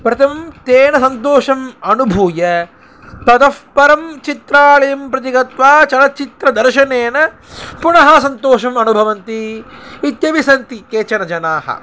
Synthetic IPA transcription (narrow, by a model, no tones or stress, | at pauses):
pɾɐt̪ʰɐmɐmt̪eːnɐsɐnt̪oːʃɐmɐnubʱuːjɐ | t̪ɐt̪ɐspɐɾɐmt͡ʃit̪ɾaːɭɐjɐmpɾɐt̪̬iɡɐt̪ʋaːt͡ʃɐlɐt͡ʃit̪ɾɐd̪ɐɾʃɐneːnɐ | puɳɐɦɐsɐnt̪oːʃɐmɐnubʱɐʋɐnt̪iː | t̪jɐʋisɐnt̪ikeːt͡ʃɐnɐd͡ʒɐnaːɦɐ̰